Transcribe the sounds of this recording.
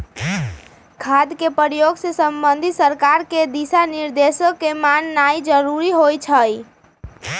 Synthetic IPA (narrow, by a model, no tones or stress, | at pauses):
ɡʰʱad̪kepəɾjoɡsesəmbənd̪ʱisəɾkaɾked̪isaniɾd̪esəkemanːaid͡ʒəɾuɾiɦojt͡ʃʰəj